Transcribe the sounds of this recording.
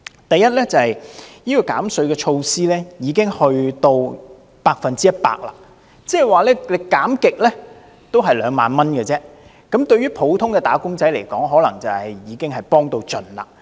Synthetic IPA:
t̪ɐ˨jːɐ˥t̚lɛː˥t͡sɐ˨hɐ˨jjiː˥kɔː˧ka̰ː˨˥msɵ˨˧ɥkɛː˧t͡ʃʰo˧wsiː˥lɛː˥jiː˨˧kɪ˥ŋhɵ˧ɥt̪o˧w | paː˧k̚fɐ˨nt͡siː˥jɐ˥t̚pa̰ː˧k̚la̰ː˨ | t͡sɛː˥˨jwaː˨lɛː˥le˨˧kaː˨˥mkɪ˨k̚lɛː˥ | t̪o˥wɦɐ˨jlœː˨˧ŋmaː˨nmɐ˥nkə˧t͡sɛː˥ | kɐ˨˥mt̪ɵ˧ɥyː˥pʰo˨˥wt̪ʰʊ˥ŋkɛː˧t̪aː˨˥kʊ˥ŋt͡sɐ˨˥jle˨˩jkɔː˨˥ŋɦɔː˨˥lɐ˨˩ŋt͡sɐ˨whɐ˨jjiː˨˧kɪ˥ŋɦɐ˨jpɔː˥ŋt̪o˧wt͡ʃɵ˨˩nla̰ː˨

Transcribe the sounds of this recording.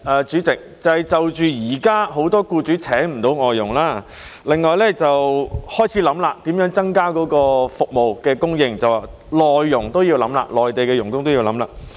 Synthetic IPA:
ʔɛː˨t͡ʃyː˨˥t͡sɪ˨˩k̚t͡sɐ˨˩hɐ˨jt͡sɐ˨wt͡ʃyː˨jiː˨˩kaː˥ɦo˨˥wt̪ɔː˥kuː˧t͡ʃyː˨˥t͡sʰɛː˨˥ŋm̩˨˩t̪o˨˥wŋɔː˨jːʊ˨˩ŋlaː˥˩ | lɪ˨ŋːɔː˨˧jlɛ˥t͡sɐ˨whɔː˥jt͡sʰi˨˥lɐ˨˧˥mlaː˨˧t̪iː˨˥mjœː˨˥ŋt͡sɐ˥ŋkaː˥kɔː˨˥kɔː˧fʊ˨k̚mo˨wkɛː˧kʊ˥ŋjɪ˨ŋt͡sɐ˨waː˨˩ | lɔː˨jːʊ˨˩ŋt̪o˥wjiː˧wlɐ̰˨˥mla̰ː˧˨lɔː˨˩jt̪e˨jkɛː˧jʊ˨˩ŋkʊ˥ŋt̪o˥wjiː˧wlɐ˨˥mla̰ː˧

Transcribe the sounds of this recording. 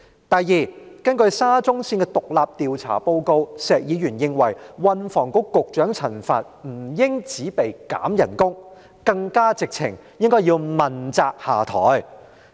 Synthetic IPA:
t̪ɐ˨jiː˨kɐ˥nkɵ˧ɥsaː˥t͡sʊ˥ŋsiː˧nkɛː˧t̪ʊ˨k̚laː˨p̚t̪iː˨wt͡sʰa̰ː˨˩po˧wko˧wsɛː˨k̚jiː˨˧jyː˨˩njɪ˧ŋwɐ˨˩jwɐ˧nfɔː˨˩ŋkʊ˥kːʊ˨k̚t͡ʃœː˨˥ŋt͡sʰɐ˨˩nfa̰ː˧t̚m̩˨˩jɪ˥ŋt͡siː˨˥pe˨jka̰ː˨˥mjɐ˨˩nkʊ˥ŋ | kɐ˧ŋkaː˥t͡sɪ˨k̚t͡sʰɪ˨˩ŋ | jɪ˥ŋkɔː˥jiː˧wmɐ˨˩nt͡saː˧k̚haː˨˩t̪ʰɔ̰ː˨˥j

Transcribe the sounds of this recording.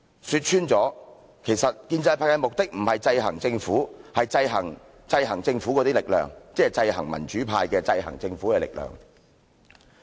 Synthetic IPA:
syː˧t̚t͡ʃʰyː˥nt͡sɔː˨˥ | kʰe˨˩jsɐ˨t̚kiː˧nt͡sɐ˧jpʰaː˧˥jɐ˥˧jmʊ˨k̚t̪ɪ˥k̚m̩˨˩hɐ˨jt͡sɐ˧jɦɐ̰˨˩ŋt͡sɪ˧ŋfuː˨˥hɐ˨jt͡sɐ˧jɦɐ̰˨˩ŋ | t͡sɐ˧jɦɐ˨˩ŋt͡sɪ˧ŋfu˨˥kɔː˨˧t̪iː˥lɪ˨k̚lœ̰ː˨˩ŋt͡sɛː˥ɛ˨˩t͡sɐ˧jhɐ̰˨˩ŋmɐ̰˨˩nt͡ʃyː˨˥pʰaː˧jkɛː˧t͡sɐ˧jɦɐ̰˨˩ŋt͡sɪ˧ŋfuː˨˥kɛː˧lɪ̰˨k̚lœ̰ː˨˩ŋ

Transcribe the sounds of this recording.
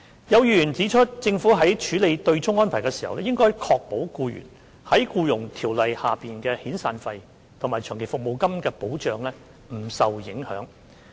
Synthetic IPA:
jɐ˨˧wjyyː˧˨˩nt͡siː˨˥t͡ʃʰɵ˥t̚t͡sɪ˧ŋfuː˨˥ɦɐ˨˥jt͡ʃʰyː˨˥le˨˧jt̪ɵ˧ɥt͡sʊ˥ŋːɔː˥npʰaː˨˩jkɛ˧si̥ː˨˩hɐ̰˨wlɛ˥jɪ˥ŋkɔː˥jkʰɔː˧k̚po˨˥wkuː˧ɥy̰ː˨˩n | hɐ˨˥jkuː˧jʊ˨˩ŋt̪ʰiː˨˩wlɐ˨jhaː˨piː˨nkɛː˧hiː˨˥nsaː˧nfɐ˧j | t̪ʰʊ˨˩ŋmaː˨˩jt͡ʃʰœː˨˩ŋkʰe˨˩fʊ˨k̚mo˨˧wkɐ˥mkɛː˧po˨˥wt͡ʃœː˨˧ŋlɛː˥ | m̩˨˩sɐ˨wjɪ˨˥ŋhœ̰ː˨˥ŋ

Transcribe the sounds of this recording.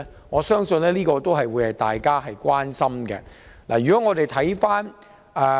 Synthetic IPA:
ŋɔː˨˧sœː˥ŋsɵ˧nlɛː˥liː˥kɔː˧t̪o˥wɦɐ˨jwuː˨˧jhɐ˨jt̪aː˨jkaː˥ɦɐ˨jkwaː˥nsɐ˥mɡɛ˧la̰ː˨˩ɥy˨kɔ˨˥ŋɔː˨˧t̪e˨jt̪ʰɐ˨˥jfaː˥n | ɛː˨

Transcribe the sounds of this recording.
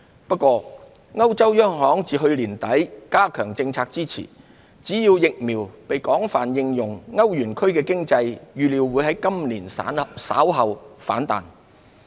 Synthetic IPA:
pɐ˥kʷːɔː˧ | ŋɐ˥wt͡sɐ˥wjœː˥ŋɦɔː˨˥ŋt͡siː˨ɦɵ˧ɥliː˨˩nt̪ɐ˨˥jkaː˥kʰœː˨˩ŋt͡sɪ˧ŋt͡sʰaː˧k̚t͡siː˥t͡sʰḭː˨˩ | t͡siː˨˥jiː˧wjɪ˨k̚miː˨˩wpe˨jkɔː˨˥ŋfaː˨˩njɪ˧ŋjʊ˨˩ŋŋɐ˥wjyː˨˩nkʰɵ˥ɥkɛː˧kɪ˥ŋt͡sɐ˧jjyː˨liː˨˧wwu˨˧˥jɦɐ˨˥jkɐ˥mliː˨˩nː˥sa̰ː˨˥wɦɐ˨wfa̰ː˨˥nt̪a̰ː˨n

